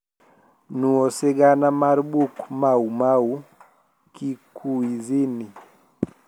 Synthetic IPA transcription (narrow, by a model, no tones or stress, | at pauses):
nuɔsɛɡanamaɾɓukumaumau | kikʰuizini